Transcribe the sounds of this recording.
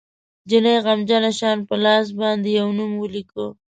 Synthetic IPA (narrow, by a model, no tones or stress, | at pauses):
d͡ʒinajɣamd͡ʒɑnaʃɑnpəlɑs̬bɑnd̪ejawnumwəliko